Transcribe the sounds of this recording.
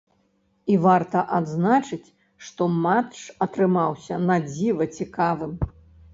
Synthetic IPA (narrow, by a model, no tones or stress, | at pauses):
ivart̪ɐʔad̪znat͡ʂɨt͡sʲ | ʂt̪ɔmat̪ʂɐt̪ɾɨmawsʲɐnad͡zʲivɐt͡sʲikavɨm